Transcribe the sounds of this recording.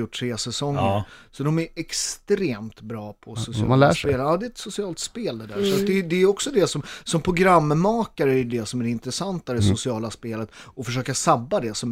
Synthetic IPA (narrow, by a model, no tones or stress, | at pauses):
jʊʈʰːɾeːsɛsɔŋːəsɔd̪ɔmæɾɛkst̪ɾeːmt̪bɾɑːpʰɔsʊsɪ̰læeːlɑːd̪ɛɛt̪sʊsɪɑːlt̪speːld̪ɛd̪æːɾʂasd̪ɛd̪ɛɾjɔksɔd̪ɛsɔmsɔmpʰɾʊɡɾamːmɑːkaɾəæɾjɵd̪ɛsɔmæɾɪnt̪ɾɛsant̪ad̪ɛsʊsɪɑːlaspeːlət̪ɔfœʂ̬øːkasabːad̪ɛsɔm